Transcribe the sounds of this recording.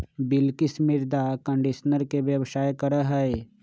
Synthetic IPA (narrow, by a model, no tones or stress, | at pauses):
bɪlkɪsmɪɾd̪akə̃ɳɖiʃnəɾkebjəʋsaːjkəɾəɦɛe